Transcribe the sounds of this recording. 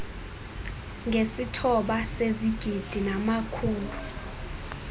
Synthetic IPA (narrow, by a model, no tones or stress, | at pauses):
ŋɡʱesitʰɔɓaseziɡ̥ʱid̥ʱinamakʰuːnu